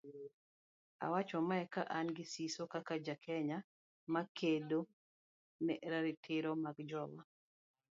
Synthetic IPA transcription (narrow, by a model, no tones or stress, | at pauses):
a̰wat͡ʃɔmaɛka̰ʔanɡɪsisokakad͡ʒakʰɛɲa | makʰedo | nɛɾaɾɪtʰɪɾɔmakd͡ʒɔwa